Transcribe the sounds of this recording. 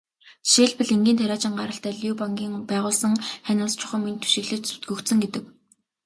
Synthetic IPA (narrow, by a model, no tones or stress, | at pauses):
ʃeːɮpɘ̆ɮiŋɡʲiːnt̪ʰæɾʲaːt͡ɕɪ̆ŋɢaɾə̆ɬt̪æːɮʲuːpaŋɡʲiːŋpæːʁʊːɮsə̆ŋχænʲə̆st͡ɕʰʊ̥χə̆mint̪ʰu̥ʃɪ̆ɣɮɘ̆t͡ɕsu̥t̪̚ɡɵ̆kt̪sɘ̆ŋɡet̪ɘ̆k